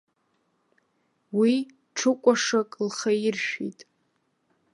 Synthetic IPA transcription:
wi | ʈ͡ʂʰɨkʷʼaʂakʼlχairʃᶣḭjtʼ

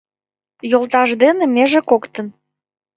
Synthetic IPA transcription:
jolˠt̪ɑʒd̪enemeʒekokt̪ən

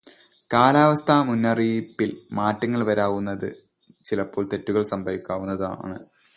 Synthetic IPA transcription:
kaːlaːʋɐst̪ʰamunːɐripːilmaːtːɐŋːɐɭʋɐɾaːʋunːɐðɨ̰ | t͡ɕilɐpːo̞ːɭt̪e̞tːuɣɐɭsɐmbʱɐʋikʲːaːʋunːɐða̰ːɳɨ

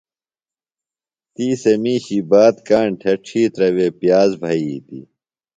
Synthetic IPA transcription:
t̪iːsɐmiːɕibaːt̪kaːɳʈʰɐʈ͡ʂʰiːt̪ɾɐweːpjaːzbʱɐit̪ḭ

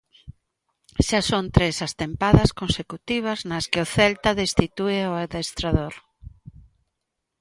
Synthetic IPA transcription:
ʃasont̪ɾesɐst̪empaðɐskõnsekut̪iβ̞ɐznɐskɪʊθɛlt̪aðest̪it̪ueoaðest̪ɾaðoɾ

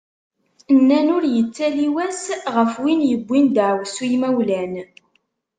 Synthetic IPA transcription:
nːænʊɾjət͡sːæliwæsʁəfwinjəbʷːind̪ʕwsujmæwlæn

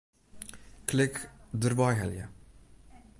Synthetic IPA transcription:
klɪkd̪əɾbɑjɦɛljə̰

